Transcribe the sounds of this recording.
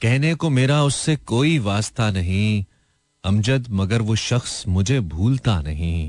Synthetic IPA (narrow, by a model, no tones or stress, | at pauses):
kɛɦnekomeːɾaʊsːekoːiʋaːst̪ʰanɐɦĩ | ɐ̃md͡ʒəd̪mɐɡəɾʋoʃɐxsmʊd͡ʒʱebʱuːlt̪anɐɦĩː